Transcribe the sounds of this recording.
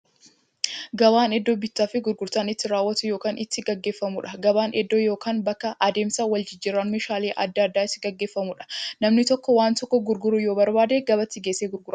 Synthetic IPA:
ɡɐbaːnɛd̪ːoːbɪt̪ːaːfɪɡʊɾɡʊɾt̪aːnɪt̪ːɪɾaːwːɐt̪ʊjo̞ːkaːnʔɪt̪ːɪɡɐɡːe̞ːfːɐmʊᶑɐɡɐbaːnʔɛd̪ːoːjo̞ːkaːnbɐkːɐʔɐd̪e̞ːmsɐwɐld͡ʒɪd͡ʒːɪɾaːnmeːʃaːle̞ːʔɐ̰d̪ːaːd̪ːaːɪsɪɡɐɡːe̞ːfːɐmʊᶑɐ̥nɐmnɪt̪ɔkːɔwaːnt̪ɔkːɔɡʊɾɡʊɾujo̞ːbɐɾbaːd̪eɡɐbɐt̪ːɪɡe̞ːseːɡʊɾɡʊɾa

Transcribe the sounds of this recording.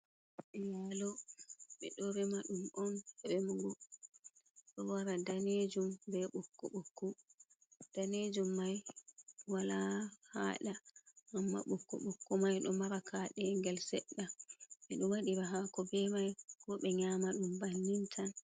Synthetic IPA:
ʔɛjalɔɓɛ̰ɗɔɾɛmaɗumʔɔnɛɓɛmɔɡɔ | ɗɔwaɾadaned͡ʒumbɛɓukːṵɓokːu | d̥aned͡ʒumːaj | walahaːɗaʔamːa̰ɓokːṵɓokːumajɗɔmaɾakʰaɗɛŋɡɛlsɛɗːamɛɗɔwaɗiɾaɦakɔbɛmajkɔɓɛɲamaɗumbanːintʰan

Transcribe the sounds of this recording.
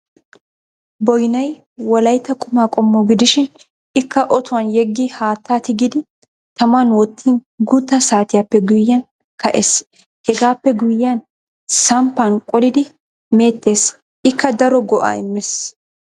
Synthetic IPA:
bɔjnɐj | wɔlɐjt̪ːɐkʼʊmaːkʼɔmːɔɡɪd̪ɪʃɪn | ɪkːɐʔɔt̪ʊwɐnjɛɡːihaːt̪ːaːt̪ɪɡɪd̪ɪ | t̪ɐmanwɔt̪ːiːnɡʊt̪ːɐsaːt̪ɪjapːɛɡʊjːɐn | kɐʔes | hɛɡaːpːɛɡʊjːɐn | sɐmpːɐnkʼɔlɪd̪ɪ | me̞ːt̪ːe̞ːs | ʔɪkːɐd̪ɐɾɔɡɔʔa̰ːɪmːɛs

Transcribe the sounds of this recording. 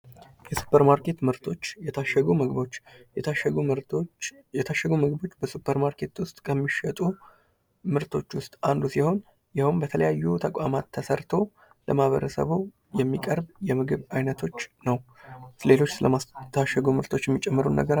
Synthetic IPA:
jɛsu̥pʰːəɾmaɾke̞t̪mɨɾt̪ʰot͡ʃːʃəɡumɨɡβo̞t͡ʃː | ɛt̪ʰaʃːəɡumɨɡbo̞t͡ʃːbəsupʰːəɾmaɾkʰe̞t̪wʊst̪ʼkʰəmːiʃət̪ʼu | mɨɾt̪ʰo̞t͡ʃːwʊst̪ʼand̪usiho̞n | jahumbət̪ʰələjajːut̪ʰəkʼamat̪ʰːəsəɾt̪ʰo̞ | ləmahβəɾəsə̰βu | jɛmːikʼəɾbjɛmɨɡɨβajnət̪ʰo̞t͡ʃːnəwsle̞lo̞t͡ʃːsɨlət̪ʰaʃːəɡumɨɾt̪ʰo̞t͡ʃːjɛmːit͡ʃʼːɛmːəɾunːə̰ɡəɾa

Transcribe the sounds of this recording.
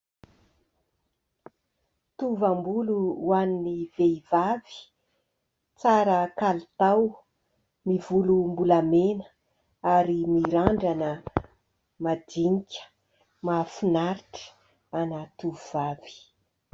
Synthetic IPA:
t̪uvambuluwaniniveivavi̥ | t͡saɾəkalt̪aw | mivulumbulamenə̥ | aɾimiɾaɳɖ͡ʐanə | mad̪iŋikʲə̥ | mafunaɾiʈ͡ʂə̥ | anat̪uvv̥av̥i̥

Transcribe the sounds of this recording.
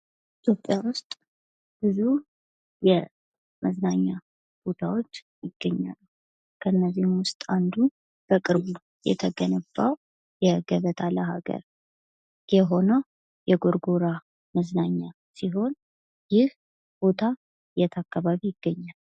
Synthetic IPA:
it̪ʰjo̞pʼːjawʊst̪ʼ | b̥ɨzu | jɛ | məznaɲːa | b̥o̞t̪ʰawo̞t͡ʃː | jɪɡ̥ːəɲːa̰lːə | kʰəɨnːəzːihmwʊst̪ʼand̪u | b̥əkʼɨɾβu | jɛ̰t̪ʰəɡənəbːaw | jɛɡəβət̪ʰaləɦaɡə̰ɾ | jɛɦo̞nəw | jɛɡoɾɡoɾa | məznaɲːa | siɦo̞n | jɪh | b̥o̞t̪ʰa | jɛt̪ʰakːaβaβijɪɡ̥ːəɲːal

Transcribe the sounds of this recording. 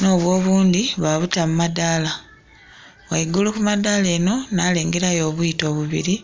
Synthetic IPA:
no̞ːβwo̞ːβuːnd̪iβaβutamumadala | βwaiɡulukumadale̞ːno̞nale̞ːŋɡe̞ɾajo̞ːβujito̞ːβuβḭɾi

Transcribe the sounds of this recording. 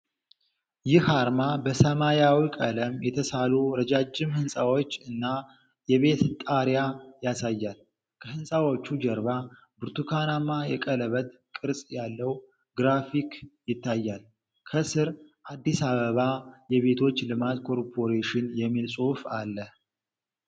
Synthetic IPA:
jɪhaɾmabəsəmajawikʼələmjɛt̪ʰəsaluɾəd͡ʒad͡ʒːɪmhɨnsʼawo̞t͡ʃːɨnːa | jɛβe̞t̪t̪ʼaɾjajasajːal | kʰəhɨnsʼawo̞t͡ʃːud͡ʒɛɾba | bɨɾt̪ʰukʰanamːajɛ̰kʼələβət̪ | kʼɨɾsʼjalːəw | ɡɾafikjɪt̪ʰːajːal | kʰəsɨɾʔad̪ːisaβəβajɛβe̞t̪ʰo̞t͡ʃːlɨmat̪kʰo̞ɾpʰo̞ɾeʃɪnjɛmːilsʼufalːəh

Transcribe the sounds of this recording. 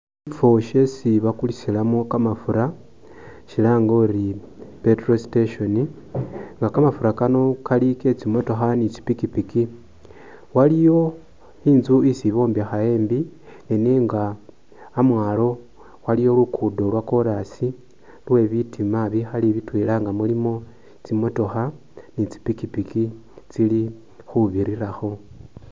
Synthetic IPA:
ifo̞ʃe̞siβakulisilamukamafuɾa | ʃilaŋɡoɾi | petrositeʃo̞ni | ŋɡakamafuɾakano̞kalike̞t͡simo̞to̞xanit͡ʃi̥pikipiki | walijo̞ | iːnzuisiβo̞ːmbiaxaje̞ːmbi | neneŋɡaː | mwaːlo̞ | walijo̞lukʰudo̞lwako̞ɾasi | lwe̞βitʰimaβixaliβitwiːlaŋɡamulimo̞ | t͡simo̞to̞xa | nit͡si̥pikipiki | t͡sili | xuβiɾiɾaxo̞

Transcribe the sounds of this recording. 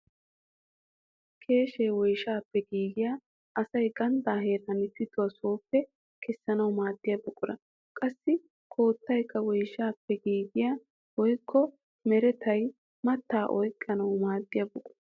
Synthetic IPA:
kʰe̞ːʃeːwɔjʃaːpːɛɡiːɡɪjaː | ʔɐsɐjɡɐnd̪aːɦe̞ːɾɐnɪt̪ːɪt̪ːʊwɐso̞ːpːɛ | kʰɛsːɐnɐwmaːd̪ːɪjɐbʊkʼːʊɾɐ | kʼɐsːɪ | kʰo̞ːt̪ːɐjkʰːɐwɔjʃaːpːɛɡiːɡɪja | wɔjkʰːɔ | mɛɾɛt̪ʰɐj | mɐt̪ːaːʔɔjkʼːɐnɐwmaːd̪ːɪjɐbʊkʼːʊɐ

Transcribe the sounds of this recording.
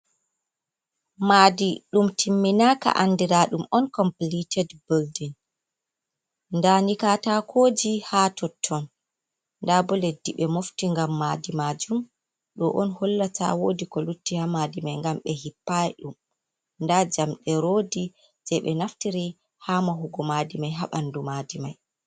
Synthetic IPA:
madiɗumtʰimːinaka̰ʔandiɾaɗumɔnkɔmplitʰɛdboldin | ndanikatakʰoːd͡ʒihatʰɔtʰːɔn | ndabɔledːiɓɛmoftiŋɡamːadimaːd͡ʒum | ɗɔʔɔnhɔlːatʰa̰woːdikɔlutːihamaːdimajŋɡamɓɛhipːajɗum | ndad͡ʒamɗɛɾoːdi | sɛjɓɛnaftiɾi | hamaɦuɡɔmaːdimajɦaɓandumadima̰j

